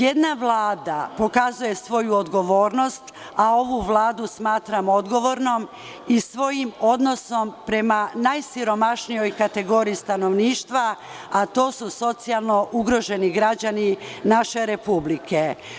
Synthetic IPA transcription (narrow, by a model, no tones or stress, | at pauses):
jed̪naʋlˠaːd̪apo̞kazuje̞sʋo̞juod̪ɡo̞ʋo̞ːɾno̞st̪ | ao̞ʋuʋlˠaːd̪usmaːt̪ɾamo̞d̪ɡo̞ʋo̞ɾno̞m | isʋo̞jimo̞d̪no̞so̞mpɾe̞manajsiɾo̞maʃnijo̞jkat̪e̞ɡo̞ɾiːst̪ano̞ʋniːʃt̪ʋaː | t̪o̞ːsuso̞t̪sialˠno̞ʔuɡɾo̞ʒe̞niɡɾad͡ʑaninaʃe̞ɾe̞publikʰe̞